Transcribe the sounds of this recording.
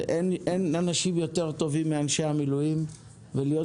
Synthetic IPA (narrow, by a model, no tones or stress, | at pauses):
ʔenʔenanaʃimjo̞t̪e̞ʁt̪o̞vimːeanʃeamilujim | velijo̞